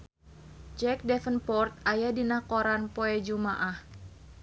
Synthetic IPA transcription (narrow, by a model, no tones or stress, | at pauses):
d͡ʒɛk̚dɛfənpɔrt̪̚ajadinakoɾanpoɛd͡ʒumaʔah